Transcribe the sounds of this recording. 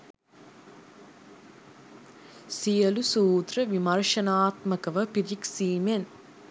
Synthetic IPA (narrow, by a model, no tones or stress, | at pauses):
sijɐlusuːt̪rɐʋimɐɾʂɐnaːt̪mɐkɐʋɐpiɾiksiːmen